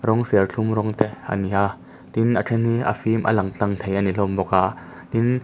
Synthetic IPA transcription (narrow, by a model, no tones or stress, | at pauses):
ɾɔŋsɛrɬʰumɾɔŋt̪ɛʔʔa̰niha | t̪inʔaʈ͡ʂʰɛniʔa̰fiːmʔa̰laŋt͡ɬaŋt̪ʰejʔanilɔmbɔkaʔ | t̪in